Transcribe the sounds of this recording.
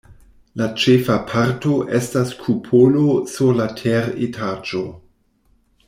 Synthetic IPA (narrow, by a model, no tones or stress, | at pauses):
lat͡ʃefapʰaɾto̞ʔe̞staskʰupʰolosuɾlatʰeɾetʰaːd͡ʒo